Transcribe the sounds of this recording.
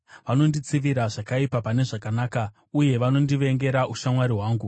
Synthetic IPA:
ʋano̞ndit͡siʋiɾaʐakaipapane̞ʐakanaːka | uje̞ʋano̞ndiʋe̞ŋɡe̞ɾaʔuʃamwaɾiɦwaːŋɡu

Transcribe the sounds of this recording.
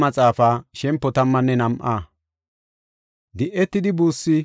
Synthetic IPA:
mɐt͡sʼaːfaːʃɛmpːɔt̪ɐmːɐnːɛnɐmʔaː | d̪ɪʔɛt̪ːɪd̪ɪbuːsːɪ

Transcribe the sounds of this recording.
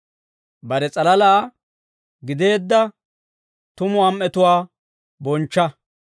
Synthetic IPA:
bɐɾɛt͡sʼɐlɐlaː | ɡɪd̪e̞ːd̪ːɐ | t̪ʊmʊɐmʔɛt̪ʊwaː | bɔnt͡ʃːɐ

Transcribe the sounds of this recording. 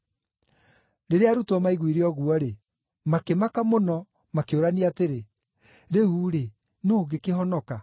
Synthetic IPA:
ɾeɾeaɾutɔmaiɣwiɾeɔɣuɔɾe | makemakamonɔ | makeoɾaniateɾe | ɾeuːɾe | noːɡekeɦɔnɔka

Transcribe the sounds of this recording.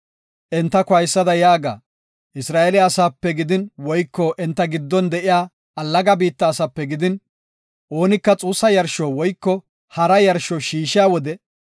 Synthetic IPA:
ʔɛnt̪ːɐkʊɐjsːɐd̪ɐjaːɡa̰ː | ʔɪsɾaːʔelɪɐːsaːpːɛɡɪd̪ɪnwɔjkːɔʔɛnt̪ːɐɡɪd̪ːɔnd̪ɛʔɪjaː | ɐlːɐɡɐbiːt̪ːɐːsɐpːɛɡɪd̪ɪn | ʔo̞ːnɪkːɐt͡sʼuːsːɐjɐɾʃɔwɔjkːɔ | hɐɾɐjɐɾʃɔʃiːʃɪjaːwɔd̪ɛ

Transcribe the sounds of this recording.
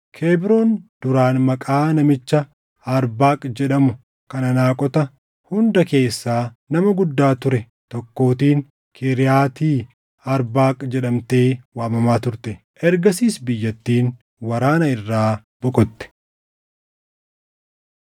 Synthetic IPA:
kʰeːbɪɾoːnd̪̥ʊɾaːnmɐkʼaːnɐmɪt͡ʃːɐ | ɐɾbaːkʼd͡ʒɛᶑɐmʊ | kɐnɐnaːkʼɔt̪ɐ | hʊnd̪ɐke̞ːsːaːnɐmɐɡʊd̪ːaːt̪ʊɾɛ | t̪ɔkːo̞ːt̪iːn | kʰɪɾɪjaːt̪iː | ɐɾbaːkʼd͡ʒɛᶑɐmt̪e̞ːwaːmɐmaːt̪ʊɾt̪ɛ | ɛɾɡɐsiːsbɪjːɐt̪ːiːn | wɐɾaːnɐɪrːaː | b̥ʊkʼɔt̪ːɛ̥

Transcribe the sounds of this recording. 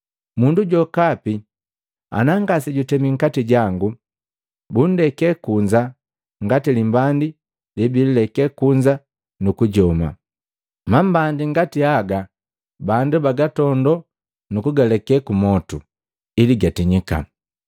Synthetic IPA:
munduɟɔkapi | a̰naŋɡasiɟutɛmiŋ̩katiɟaŋɡu | bun̩dɛkɛkuɲd͡ʒa | ŋɡatilimbandi | libililɛkɛkuɲd͡ʒa | nukuɟɔma̰ | mambandiŋɡatiaɡa | bandubaɡatɔndɔ | nukuɡalɛkɛkumɔtu | iliɡatiɲika̰

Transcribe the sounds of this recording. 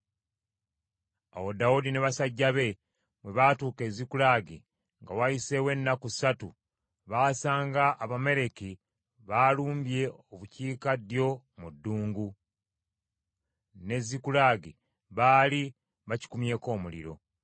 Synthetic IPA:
a̰wo̞daudineβasaɟːaβe̞ | βwe̞βaːtuːke̞zikulaːɡḭ | ŋɡawajise̞we̞nːakusatu | βaːsaːŋɡaʔːβame̞ɾe̞ki | βaluːmbje̞oβuciːkadjo̞ | mudːuːŋɡu | ne̞zikulaːɡi | βaːli | βaci̥kumje̞ːko̞ːmulḭɾo̞̰

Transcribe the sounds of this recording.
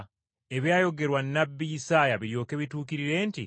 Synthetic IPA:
e̞βjaːjo̞ɡe̞ɾwanːabːijisaːjaβiɾjo̞ːke̞βituːkiɾiɾe̞ːnti

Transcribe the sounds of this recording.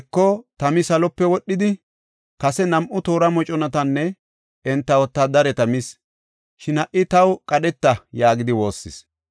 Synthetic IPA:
kːɔt̪ɐmɪsɐlɔpːɛwɔɗːɪd̪ɪ | kɐsɛnɐmʔʊt̪o̞ːɾɐmɔt͡ʃʼɔnɐt̪ɐnːɛ | ɛnt̪ːɐwɔt̪ːɐd̪ɐɾɛt̪ɐmɪs | ʃɪnɐʔɪt̪ɐwkʼɐɗɛt̪ːɐjaːɡɪd̪ɪwo̞ːsːɪs

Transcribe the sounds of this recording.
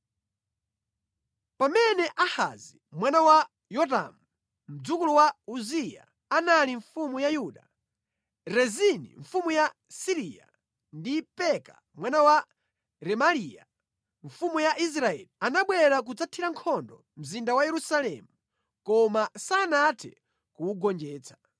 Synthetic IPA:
pamɛnɛʔaha̰zimwanawa | jɔta̰mu | m̩d͡zukulɔwauzija̰ | analiɱfumujajuːɗa | ɾɛzinḭɱfumuja | siɾija̰ | ndipɛka̰ | mwanawa | ɾɛmalija | ɱfumujaʔis̬ɾaɛ̰lianaɓwɛɾak̬ud͡zatʰiɾaŋkʰɔndɔ̰ | m̩zindawajɛɾusalɛ̰mu | kɔmasanatʰɛ̰ | kuwuɡɔnd͡ʒɛːt͡sʰḁ

